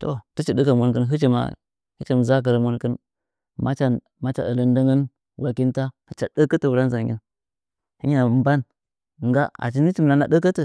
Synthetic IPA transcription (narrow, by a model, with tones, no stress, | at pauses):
to̰˨tə˦t͡ʃi˨də˦ka˨mʷu˨˦nkə˦nɦi˦t͡ʃi˨ma̰˨ | hi˦t͡ʃi˨m˨za˦k̬ə˨ɾə˨mu˦nkə˦n | mʔa˦t͡ʃa˨ | ma˦t͡ʃa̰˨ə˨lə˨ndə˦ŋə˦n | wa˨ki˦n˦ta˦hə˦t͡ʃa˨də˦kə˦tə˨wu˨la˦nza˨ŋɡʲḭ˦n | hi˦ɲa˨mba˦n˨ | ŋɡa˦a̰˨t͡ʃi˦ni˦t͡ʃi˦˨m˨a˨na˦də˦kə˦tə˨